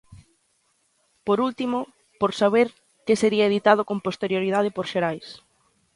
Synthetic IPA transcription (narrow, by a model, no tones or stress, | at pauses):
poɾult̪imo | poɾsaβ̞eɾ | kɪseɾiɐeðit̪að̞ʊkõmpost̪eɾjoɾið̞að̞ɪpoɾʃeɾajs